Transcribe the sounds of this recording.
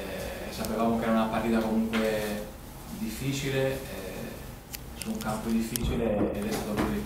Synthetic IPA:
sapevaːmokeɛɾaunapːaɾt̪iːt̪akomuŋkwe | d̪ifːiːt͡ʃileɛ̰ | suuŋkampod̪ifːiːt͡ʃileːd̪ɛst̪aːt̪opuɾi

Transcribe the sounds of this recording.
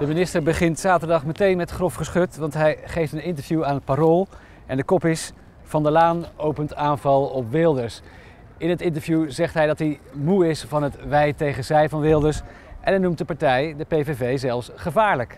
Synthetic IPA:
d̥əmɪnɪstəɹbəχɪntsaːtəɹdɑχmətejnmɛtχrɔfχəsχɵtʋɑntɦɛjχejftənɪntəɹvjuaːnpaɾolˠ | ʔɛndəkɔpɪs | v̥ɑndəlaːnowpəntaːnvɑlˠɔpʋɪlˠdəɹs | ɪnɦətɪntəɹvjuzɛχtɦɛjdɑtimuɪsfɑnɦətʋɛjtejχənzɛjvɑnʋɪlˠdəɹs | ʔɛ̰nɛnumtdəpɑɹtɛjdəpejvevejzɛlˠfsχəvaːɹlək

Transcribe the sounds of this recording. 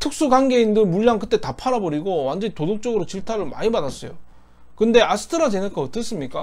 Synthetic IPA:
tʰɯk̚s͈uɡaŋɡe̞indɯɭmuʎːaŋkɯt͈e̞tapʰaɾabʌɾiɡowand͡ʑʌɲitodok̚t͡ɕ͈ʌɡɯɾot͡ɕiɭtʰaɾɯɭma̰ɲimadas͈ʌjo̰ | kɯnde̞asʰɯ̥tʰɯɾad͡ʑenɯnkʌt͈ɯs͈ɯmɲik͈a

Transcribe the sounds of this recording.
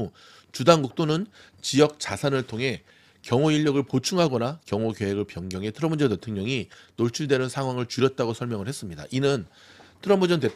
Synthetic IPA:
o | t͡ɕudaŋɡuk̚t͈onɯn | t͡ɕijʌk̚t͡ɕasʰanɯɭtʰoŋɦe̞ | kjʌŋoiʎːʌɡɯɭpot͡ɕʰuŋɦaɡʌnakjʌŋokeɦeɡɯɭpjʌŋɡjʌŋɦe̞tʰɯɾʌmbund͡ʑʌte̞tʰoŋɲʌŋinoɭt͡ɕʰuɭde̞nɯnsʰaŋɦwaŋɯɭt͡ɕuɾjʌt̚t͈aɡosʰʌɭmjʌŋɯɭhe̞s͈ɯmɲida̰ʔinɯn | tʰɯɾʌmpʰud͡ʑʌnte̞t

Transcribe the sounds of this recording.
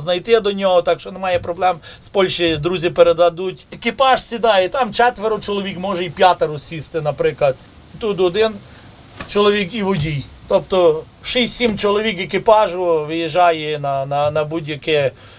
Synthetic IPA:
znɐjt̪ɪd̪ɔnʲɔɦɔt̪ɑkʃt͡ʃɔnɛmɑjɛpɾɔblˠɛmspɔlʲʃɪd̪ɾuzʲɪpeɾed̪ɐd̪utʲekʲɪpɑʃsʲid̪ɑjɛt̪ɑmt͡ʃɛt̪ʋeɾʊt͡ʃɔlˠɔʋʲikmɔʒɛipʲjat̪eɾʊsʲist̪ɪnɐpɾɪklˠɐd̪ | it̪ut̪ɔd̪ɪn | t͡ʃɔlˠɔʋʲikiʋɔdʲijt̪ɔpt̪ɔ | ʃisʲtʲsʲimt͡ʃɔlˠɔʋʲikekʲɪpɑʒʊʋɪjɪʒɑjɛnɐnɐnɐbudʲjɐkɛ

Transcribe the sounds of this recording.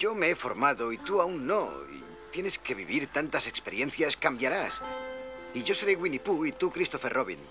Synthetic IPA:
ɟ͡ʝo̞meefo̞̰ɾmaðoit̪uaunːo̞̰ḭ | t̪je̞ne̞ske̞βiβ̞iɾt̪ant̪ase̞kspeɾje̞nθjaskambjaɾas | iʝo̞se̞ɾeɣwinipuit̪ukɾist̪o̞ferʔoβḭn

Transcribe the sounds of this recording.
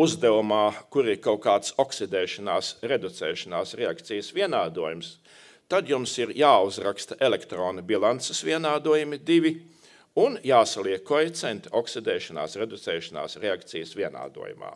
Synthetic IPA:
uzd̪ɛʋumaːkuɾikawkaːt̪soksid̪ɛːʃanaːsɾed̪ut̪sɛːʃanaːsɾeakt̪sijəsʋʲiɛnaːd̪uɔjums | t̪ad̪jumsiɾjaːuzɾakst̪ɐʔelɛkt̪ɾoːnɐbilˠant̪sesʋiɛnaːd̪uɔjumid̪iʋʲi | unjaːsalˠiɛkːɔjt̪sɛnt̪oksid̪ɛːʃana̰ːsɾed̪ut̪sɛːʃana̰ːsɾeakt̪sijəsʋʲiɛna̰ːd̪ṵɔjṵma̰ː

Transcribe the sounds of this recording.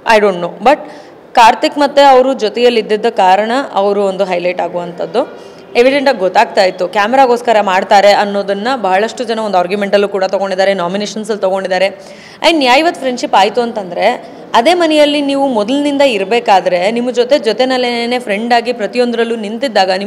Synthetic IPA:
ɐ̰jɖoːɳʈnoːbɐʈ̚ | kaːɾt̪ikmɐt̪ːe̞ɐʋɐɾud͡ʒɔt̪ɛjɐlːid̪ːid̪ːɐkaːɾɐɳɐʔɐʋɾuond̪uɦɐjlɐjʈaːɡuʋɐnt̪ʰɐd̪ːu | e̞ʋiɖeɳʈaːɡɡɔt̪ːaːɡ̚t̪aːjt̪ːukaːmɛɾaːɡoːskɐɾɐmaːɖt̪aːɾe̞ʔɐnːoːd̪ɐnːɐbɐɦɐɭɐʂʈud͡ʒɐnɐond̪aːɾɡjume̞ɳʈɐlːukuːɽɐt̪oɡo̞ɳɖid̪ːaːɾenaːmineːʃɐnsɐlt̪oɡo̞ɳɖid̪ːaːɾe̞ | ɐ̰jnjaːjiʋɐt̪ːfʰɾe̞ɳɖʃipaːjt̪uɐnt̪ɐnd̪ɐɾe̞ | ɐd̪e̞ːmɐnɛjɐlːiniːʋumɔd̪ɐlnind̪ɐiɾbeːkaːd̪ɐɾe̞nimːɐd͡ʒot̪e̞d͡ʒot̪enɐlene̞ːpʰɾe̞ɳɖaːɡipɾɐt̪ijond̪ɾɐlːunint̪id̪ːaːɡɐni

